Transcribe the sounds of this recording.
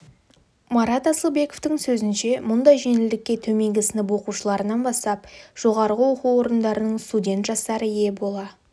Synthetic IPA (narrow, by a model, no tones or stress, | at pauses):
mɑɾɑt̪ɑsəlˠbe̞ko̞ft̪ɪŋsɵzɪnʃe̞mʊnd̪ɑjʒe̞nɪld̪ɪkʲːe̞t̪ʰɵme̞ŋɡʲɪsɪnɪp̬wo̞quʃəlˠɑɾənɑnbɑst̪ɑp̚ʒ̥o̞ʁɑɾʁəwo̞quwo̞ɾənd̪ɑɾənəɴst̪udʲe̞nt̪ʒɑst̪ɑɾəje̞bo̞lˠɑ